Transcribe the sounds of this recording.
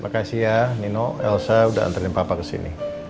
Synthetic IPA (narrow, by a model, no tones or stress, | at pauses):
mʔakasianinoɛ̰lsauda̰a̰nt̪əɾinpapakəsḭnḭ